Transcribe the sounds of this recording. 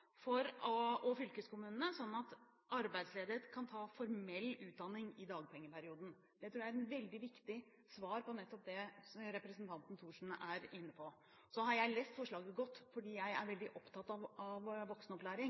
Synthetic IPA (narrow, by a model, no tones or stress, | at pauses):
fɔɾɔɔfʏlkəskʰʊmʉːnənəsɔnːɑt̪ | ɑɾbæɪd̪sleːd̪əɾət̪kʰɑnt̪ʰɑːfɔɾmɛlːʉːt̪̚d̪ɑnːɪŋɪd̪ɑːɡ̚pʰɛŋːəpæɾɪuːd̪ən̩ | d̪̥ɛt̪ʰɾuːjæɪɛʋɛld̪ɪʋɪkt̪ɪ | sʋɑːɾpɔnɛt̪ːɔp̚d̪ɛɾɛpɾɛsnt̪ʰɑnt̪n̩t̪ʰuːʂn̩ʔæɾɪnːəpʰɔ | sɔhɑɾjæɪleːst̪fɔʂɭɑːɡəɡɔt̪ːfɔɖiːjæɪæ̰ɾʋɛld̪ɪʔɔpt̪ʰɑt̪ɑʋɑʋʋɔksnɔplæːɾɪŋ